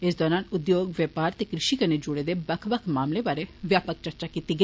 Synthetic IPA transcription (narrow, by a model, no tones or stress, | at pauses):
ɪsd̪ɔːɾãːnʊd̪joːɡʋeːpaːɾt̪eːkɾɪʃiːkəneːd͡ʒʊɽeːd̪eːbəkʰʋəkʰmaːmleːbaːɾeːʋjaːpək̚t͡ʃəɾt͡ʃaːkiːt̪iːɡə